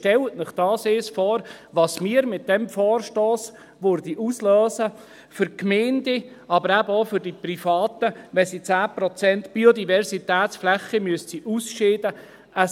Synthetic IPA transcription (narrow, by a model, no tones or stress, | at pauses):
ʃtɛltnɪχd̥ɑːseːsfɔːɾʋɑːsmiːəɾmɪt̚d̥ɛmfɔːɾʃtoːs | ʋøɾdiʔuslœːsə | fʏɾkmeːndɪ | ɑbəɾæbəofʏɾdipɾifɑːt̪əʋɛsit͡sæːpɾɔt͡sɛntb̥iodivɛɾsit̪æːt̪sflɛχimyəstsiʔusʃɪːdə | ə